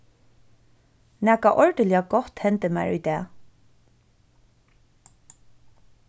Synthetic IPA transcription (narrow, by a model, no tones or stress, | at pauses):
næːkaʔɔɹɖ̪əlɪaɡɔht̪hɛnt̪əmæ̰ɹṵjt̪ɛː